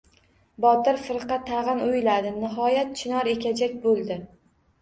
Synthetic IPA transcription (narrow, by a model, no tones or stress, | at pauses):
bɒt̪ɪɾfɨɾqɑt̪ʰaʁɨnʊjlad̪ɪnɪɦɒjat̪̚t͡ʃʰɪnɒɾe̞kʲʰad͡ʒakʲbolˠd̪ɪ